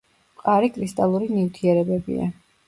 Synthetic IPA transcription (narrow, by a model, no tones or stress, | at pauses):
qʼaɾikʼɾist̪ʼalˠuɾinift̪ʰiɛɾɛbɛbḭa̰